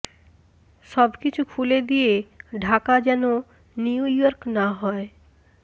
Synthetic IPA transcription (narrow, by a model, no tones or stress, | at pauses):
ʃɔbkit͡ɕʰukʰuled̪ijeɖʱakad͡ʑɛno | niujɔɾknaɦɔe